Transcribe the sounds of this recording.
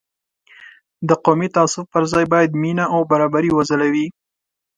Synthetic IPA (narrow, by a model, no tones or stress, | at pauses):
d̪əqomit̪ɑsʊfpəɾzɑjbɑjad̪minaawbaɾɑbaɾiwazəlawi